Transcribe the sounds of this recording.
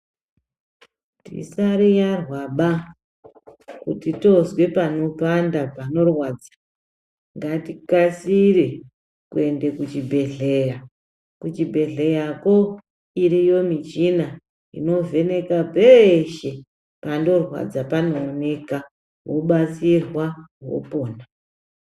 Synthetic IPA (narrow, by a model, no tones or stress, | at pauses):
tḭsaɾijarwaɓa | kutito̞zwe̞pano̞pandapano̞rwaːd͡zḁ | ŋɡatikasiɾe | kue̞nde̞kut͡ʃibʱe̞ɮe̞ra | kut͡ʃibʱe̞ɮejako̞ | iɾijo̞mit͡ʃina | ḭno̞ve̞ne̞kapeʃe̞ | pando̞rwa̰d͡zapanoːne̞ka | woɓat͡sirwawo̞̰po̞ːna